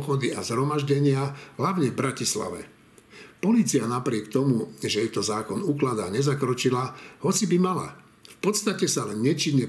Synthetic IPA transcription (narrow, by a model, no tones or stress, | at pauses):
xɔd̪iazɦɾɔmaʒɟɛɲɪaɦlaʊɲɛvbɾacisla̰ʋɛ̰ | pɔliːt͡sianapɾɪɛkt̪ɔmuʒɛjɛt̪ɔzaːkɔnuklad̪aɲɛzakɾɔt͡ʃilahɔt͡sibimala̰ | fpɔt̪st̪acɛsalɛnːɛt͡ʃiɲːɛ